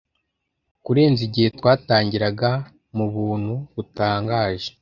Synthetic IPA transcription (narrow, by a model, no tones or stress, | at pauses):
kuɾe̞ːnziɟihe̞twaːtaːɲɟiɾaɡa | muβuːn̥huβutaːŋɡaːʒe̥